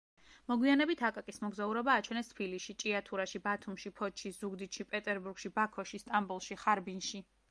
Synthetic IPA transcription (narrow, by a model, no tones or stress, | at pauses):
mɔɡwianɛbit̪ʰakʼakʼismɔɡzauɾɔbaːt͡ʃʰwɛnɛst̪ʰbiliʃit͡ʃʼiat̪ʰuɾaʃibat̪ʰumʃipʰɔt̪ʃʰizuɡd̪it̪ʃipʼɛt̪ʼɛɾbuɾɡ̥ʃibakʰɔʃist̪ʼambulˠʃiχaɾbinʃi